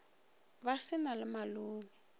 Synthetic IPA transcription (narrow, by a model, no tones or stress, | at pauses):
basɪnalɪmaluːŋi